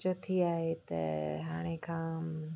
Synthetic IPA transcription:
t͡ʃot̪ʰiaːɦet̪ɐ̰ɦaːɽ̃ekʰãː

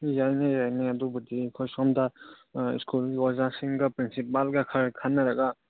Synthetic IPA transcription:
jajnajajneadubudikʰɔjsɔmda̰ | skulɡiɔzasiŋɡapɾinsipalɡakʰaɾkʰanːaɾaɡa

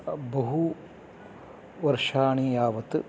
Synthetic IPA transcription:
bɐɦu | ʋɐɾʂaːɳijaːʋɐt̪ɨ

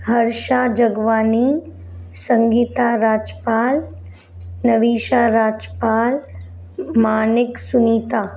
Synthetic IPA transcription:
hɐɾʃaːd͡ʒɐɡʋaːniː | sɐ̃ŋɡiːt̪aːɾaːd͡ʒəpaːl | nɐʋiːʃaːɾaːd͡ʒəpaːl | maːnɪksʊniːt̪aː

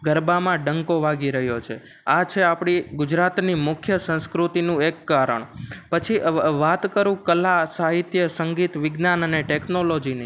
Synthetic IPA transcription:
ɡəɾbamãɖəŋkoʋaɡiɾəɦjot͡ʃʰe | at͡ʃʰeapɽ̃iɡʊd͡ʒɾat̪nimʊkʰjəsə̃nskɾut̪inũekːaɾə̰ɳpət͡ʃʰiʋat̪kəɾũkəlasaɦit̪jəsəŋɡit̪ʋɪɡnanəneʈeknolod͡ʒini

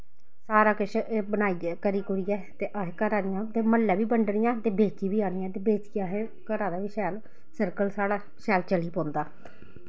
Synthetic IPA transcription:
saːɾaːkɪʃbənaːikəɾiːkʊɾiːɛːt̪eːʔaɦkəɾaːd̪ɪjãːt̪eːməlːɛːʋiːbəɳɖɽɪjãːt̪eːbeːkiːbiːaːnɪjãːt̪eːbeːt͡ʃɪjãːɦɛː | kəɾaːd̪aːʋiːʃɛːl | səɾkəlsaːɽaː | ʃɛːlt͡ʃəliːpɔ̃ːnd̪aː

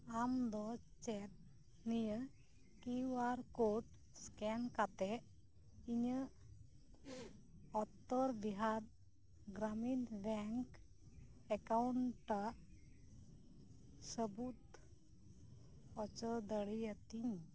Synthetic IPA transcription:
amd̪ɔt͡ʃɛʈ̚ | nijə | kiʋaɾkoʈ | skɛnkat̪ɛ | iɲə | ɔt̪ːəɾd̪iɦaɾ | ɡɾaminbɛŋk | ɛkawɳʈa | səbut̪ | ɔt͡ʃəd̪əɽijat̪iɲ

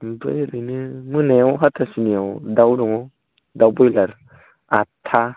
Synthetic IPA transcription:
bɯjɾɯjnɯmɯneawɦatʰasiniawdawɾɔŋɔ | dawbɔjlaɾ | atʰːa

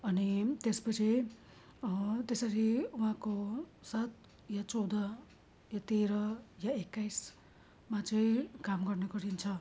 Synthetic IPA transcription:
ʌnit̪espʌt͡sʰi | t̪esʌɾiuɦãkosat̪̚ | jat͡sʌwd̪ʌ | jat̪eɾʌjaekːajs | mat͡sʌĩkamɡʌrnʌɡʌɾint͡sʰʌ

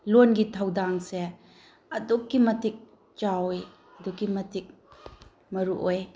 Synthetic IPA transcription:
lonɡitʰɐwdaŋse | ɐdukːimɐtik̚ | t͡ʃawj | ɐdukːimɐtik̚ | mɐɾuʔoj

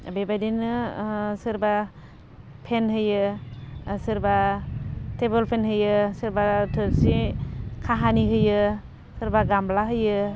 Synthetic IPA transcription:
bebajdinɯsɯɾba | pʰenɦɯjɯ | sɯɾba | tebɔlpʰenɦɯjɯsɯɾbatʰɯlsikʰaɦaniɦɯjɯ | sɯɾbaɡamblaɦɯjɯ

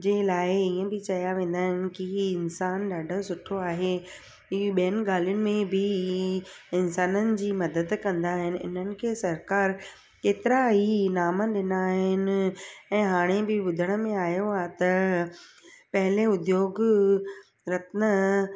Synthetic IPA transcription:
d͡ʑeːlaːɪiə̃bɪt͡ɕɐjaʋẽːn̆d̪aːɦɪnɪ̆kiɪnsaːnɗaːɖʱə̆sʊʈʰoaːɦe | iɓijənɪ̆ɡaːlijʊnɪ̆mẽbʱɪ | ɪnsaːnənɪ̆d͡ʑiːmɐd̪əd̪kɐ̃nd̪aːɦɪnɪ̆ɪ̰n̤ənɪ̆kʰeːsɐɾkaːɾ | keːt̪ɪɾaɦinaːməɗɪnaːɦɪnɪ̆ɛ̃ːɦaːɽ̃ebɪbʊd̪ʱəɽ̃ə̆mẽaːjoaːt̪ɐ | pɐɦɪleʊd̪joːɡ | ɾɐt̪nə

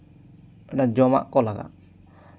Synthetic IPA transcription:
ɛnad͡ʒɔma̰ʔkɔlaɡa̰

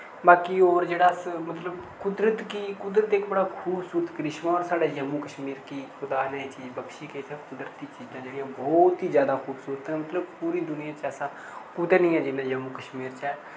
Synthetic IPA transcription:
baːkioːɾd͡ʒeːɽaːsmət̪ləbkʊd̪ɾət̪kikʊd̪ɾət̪ɪkbəɽaːkʰuːbsuːɾət̪kɾɪʃmãoːɾsaːɖaːjəmuːkəʃmiːɾkiːkʊd̪aːnɛːiːt͡ʃiːd͡ʒbəkʃiːkesãːkʊd̪ɾət̪iːt͡ʃiːzãːd͡ʒeːɽijãːbɔːt̪iːzjaːd̪aːkʰuːbsuːɾət̪ɛːmət̪ləb̚puːɾiːd̪ʊnɪjãːt͡ʃɛːsãː | kʊd̪ɛnĩːɛ̃ːd͡ʒɪnãːjəmuːkəʃmiːɾt͡ʃɛː

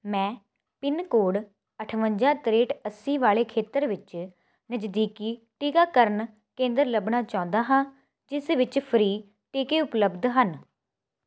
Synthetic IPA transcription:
mɛ̃ː | pɪnkoːɽ | əʈʰʋəɲd͡ʒaːt̪ɾeːʈəsĩːʋaːɭeːkʰeːt̪əɾʋɪt͡ʃ | nəd͡ʒd̪iːkiː | ʈiːkaːkəɾən | kẽːnd̪əɾləbɳaːt͡ʃãːnd̪aːɦãː | d͡ʒɪsʋɪt͡ʃpʰəɾiː | ʈiːkeːʊpləbd̪ɦən

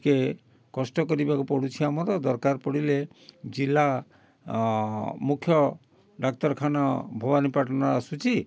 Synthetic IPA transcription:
ke | kɔsʈɔkɔɾibakupɔɽut͡ʃʰiamɔɾɔd̪ɔɾkaɾpɔɽile | d͡ʒilːa | mukʰjɔ | ɖak̚t̪ɔɾkʰanɔbʱɔbanipaʈɔnaasut͡ʃʰi

